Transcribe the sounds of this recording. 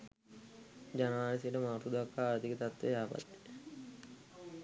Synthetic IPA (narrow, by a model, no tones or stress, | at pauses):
d͡ʒanaːlisijəʈəmaɾt̪ud̪uakːaːɾt̪ikət̪at̪ʋeaːpa̰t̪ːe̥